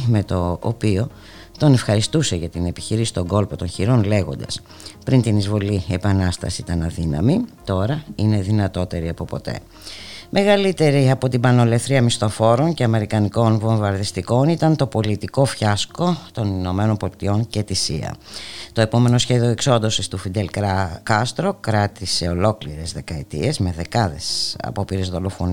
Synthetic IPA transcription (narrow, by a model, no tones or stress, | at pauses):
me̞t̪o̞̰ːpio̞ | t̪o̞ne̞fxɐɾist̪useʝɐt̪ine̞pi̥çiɾisi̥t̪o̞ŋɡo̞lpo̞t̪o̞nçiɾo̞nle̞ɣo̞nd̪ɐ̰s | pɾint̪inizvo̞lie̞pɐnɐst̪ɐ̰siit̪ɐnɐðinɐ̰mit̪o̞ɾɐine̞ðinɐt̪o̞t̪e̞ɾiɐpo̞po̞̰t̪e̞̰ | mʔe̞ɣɐlit̪e̞ɾiɐpo̞t̪ibɐno̞le̞θɾiɐmist̪o̞fo̞ɾo̞ɲce̞ɐme̞ɾikɐniko̞nvo̞ɱvɐɾðist̪iko̞nit̪ɐnt̪o̞po̞lit̪iko̞fçɐsko̞t̪o̞nino̞meno̞nbo̞lit̪io̞ɲce̞t̪isiɐ̰t̪o̞e̞po̞me̞no̞sçe̞ðio̞ekso̞nd̪o̞sist̪ufid̪elkɐst̪ɾo̞kɾɐt̪ise̞o̞lo̞kliɾe̞zðe̞kɐet̪ḭe̞zme̞ðe̞kɐðe̞sɐ̰po̞piɾe̞zðo̞lo̞fo̞n